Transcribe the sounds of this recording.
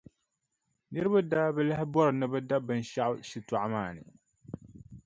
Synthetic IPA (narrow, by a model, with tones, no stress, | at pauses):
ni˦ɾbɨ˦da˦bə˦˨la˦hbɔ˦ɾnɨ˦bə˦da˦bɨ˨nʃa˦ʃi˨tu˨ʕmaː˨nḭ˨